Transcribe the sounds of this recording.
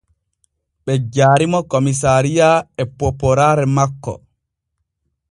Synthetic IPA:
ɓɛd͡ʒaːɾimɔkomis̬aɾijaɛpɔpɔɾaɾɛmakːɔ̰

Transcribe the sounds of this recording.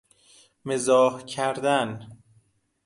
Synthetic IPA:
mezɒːhcʰæɾd̪æn

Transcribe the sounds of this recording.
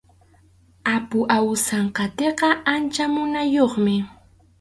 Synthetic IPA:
apʊʔawsaɴqɑt̪eqɑʔant͡ʃamʊnajoχmɪ

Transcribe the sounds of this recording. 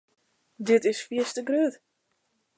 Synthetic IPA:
dɪtɪsfiəstəɡrøːt

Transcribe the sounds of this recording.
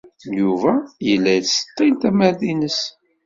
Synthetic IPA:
juvæjəlːæjst̪ˤːint̪æmæɾðinəs

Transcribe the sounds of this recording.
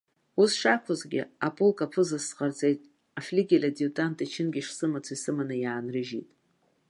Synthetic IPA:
usʂakʷʰazɡʲɪ̰apʼolkʼapʰɨzasqart͡sʼejtʼ | aflʲiɡʲilʲadiutʼantʰʼit͡ʃʰɪnɡʲiʂsɨmat͡sʰaisɨmanɨjaːnrɨʒḭtʼ

